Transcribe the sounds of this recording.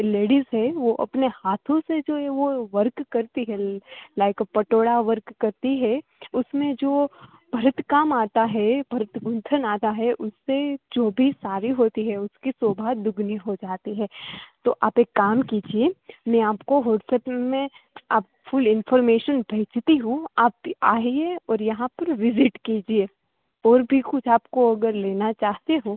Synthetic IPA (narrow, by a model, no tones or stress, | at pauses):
leːɽizɦɛʋoʔɐ̰pnehaːt̪ʰõsed͡ʒoːɦɛʋoʋɐɾkːɐɾt̪iɦɛlaɪkpɐʈoːɽaʋəɾkːɐɾt̪iɦɛʊsmẽd͡ʒoː | bʱɐɾət̪kaːmaːt̪aɦɛbʱɐɾət̪ɡʊ̃nt̪ʰənaːt̪aɦɛʔʊsːed͡ʒoːbʱisaːɾiɦoːt̪iɦɛʊskisoːbʱaːd̪ʊɡʱniɦod͡ʒaːt̪iɦɛːt̪oːʔaːpeːkːaːmkiːd͡ʒiemɛ̃aːpkoɦɔːʈsepmẽ | aːp̚ | fʊlɪnfɔːɾmeːʃənbʱeːt͡ʃt̪iɦũaːpaːɦieɔːɾjɐɦãpɐɾʋɪzɪʈkiːd͡ʒieː | ɔːɾbʱikʊt͡ʃʰaːpkoɐɡəɾleːnat͡ʃaːɦt̪eɦoː